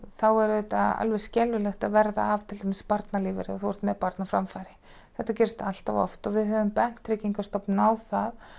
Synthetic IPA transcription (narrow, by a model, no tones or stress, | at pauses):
θawɛɾðɛt̪aa̰lvɛ̥scɛlvʏlɛxt̪aðvɛɾða̰ːv̥t̪ʰɪlt̪ʰamɪsɪ̥paɾt̪naliːvɪɾɪ̰ɔθuwɛɾ̥t̪mɛðpaɾt̪nafɾamfajɾɪ | θɛht̪ːacɪɾ̥st̪al̥t̪avɔ̰ft̪ɔvɪðɦœvʏmpɛn̥t̪ɾɪciŋkḁst̪ɔpnawθað